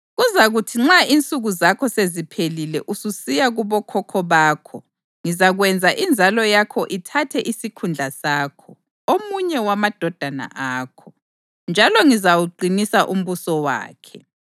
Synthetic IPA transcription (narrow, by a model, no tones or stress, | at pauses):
ɣuzaɣutʰiŋ͡ǁaint͡sʼuɣuzakʰɔsezipʰelilɛʔususijaɣuβɔkʰɔkʰɔβaːkʰɔ | ŋizaɣwɛnd͡zʱaʔind͡zʱalɔjakʰɔʔitʰatʰɛʔisikʰund͡ɮʱasaːkʰɔ | omuɲɛwamad̥ʱɔd̥ʱana̰ʔaːkʰɔ | nd͡ʒʱalɔŋizawuǃinisaʔum̩βusɔwa̰ːkʰɛ